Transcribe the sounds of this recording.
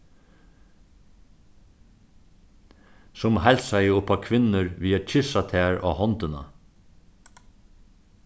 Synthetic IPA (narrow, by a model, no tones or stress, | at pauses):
sʊmhælsɑɪəʊpɑkʰʋɪnəɾʋiːɑc͡çʰɪʃɑt̪ʰæːɹʔɑ̰ːhɔnt̪ənɑ̰